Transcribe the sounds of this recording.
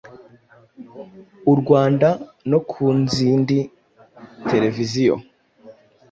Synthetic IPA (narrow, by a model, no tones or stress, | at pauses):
uɾɡwaːndano̞kʰuːnziːndi | te̞ɾe̞vizijo̰